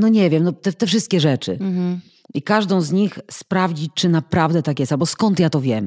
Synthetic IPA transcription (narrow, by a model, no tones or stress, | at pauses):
nɔɲɛvʲjɛmnɔt̪ɛt̪ɛfʂɘst̪̚kʲɛʐɛt͡ʂɘ̰ | ikaʐd̪ɔ̃w̃zɲixspɾavd͡ʑit͡ʂɘnapɾavd̪ɛt̪ak̬jɛst̪albɔskɔnt̪jat̪ɔvʲjɛm